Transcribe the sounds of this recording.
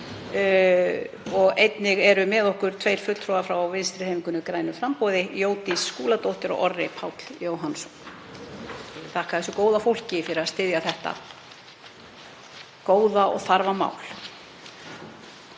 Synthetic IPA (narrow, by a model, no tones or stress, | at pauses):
ɔɣejt̪nɪɣɛɾʏmɛðɔhkʏɾ̥t̪ʰvejɾ̥fʏt̪l̥t̪ʰɾɔɣafɾawawvɪnst̪ɾɪejmiŋkʏnʏkɾaːjnʏfɾampowðɪjoːwt̪isːkuːlat̪owht̪ɪɾɔ̰ɣʔɔrːɪpʰawt̪l̥joːwɦansɔm | t̪ʰahkaðɛsʏkoːwðafowl̥cɪfɪɾɪɾast̪ɪðjaθɛht̪a̰ | koːwðaɔ̰ɣθaɾvama̰ːwl